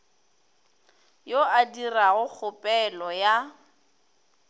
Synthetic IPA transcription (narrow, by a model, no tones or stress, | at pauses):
joadiraɣʊk͡xʰʊpʼɛlɔja